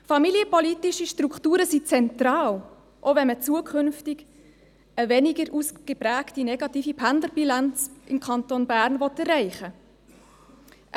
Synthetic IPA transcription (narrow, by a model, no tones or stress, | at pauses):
fɑmiljəpɔlitiʃiʃtrukχtuːɾəsit͡sɛntrɑːl | ʔovɛnmət͡suəkʰʏnftɪɡ | əvɛnɪɡəɾʔusɡ̥əpræːktinɛɡɑtiːfipʰændləɾbilɑnt͡sʔɪmkʰɑntonbæːɾnvɔtɛrːɛɪχə